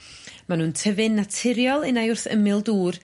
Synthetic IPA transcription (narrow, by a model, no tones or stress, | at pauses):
manuːntʰəvɨnːatʰɪɾjɔlˠɨnajʊrθə̰mɪlˠduːr